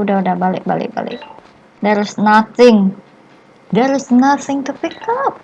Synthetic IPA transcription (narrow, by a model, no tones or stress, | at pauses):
udaudahbalɪ̰k̚balɪ̰k̚ba̰lɪ̰k̚ | d̪ɛɾɪsnaθɪŋ | d̪ɛɾɪsnaθɪŋt̪upikap̚